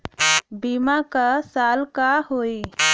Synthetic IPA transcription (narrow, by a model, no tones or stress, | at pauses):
bimakasaːlkaɦoi